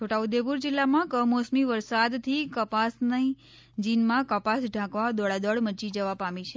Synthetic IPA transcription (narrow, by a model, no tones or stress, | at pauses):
t͡ʃʰoʈaud̪epuɾd͡ʒɪlːamãkəmosmiʋəɾsad̪t̪ʰikəpasnə | d͡ʒinmãkəpasɖʱãkʋad̪ɔɭad̪ɔɽmət͡ʃid͡ʒəʋapamĩt͡ʃʰe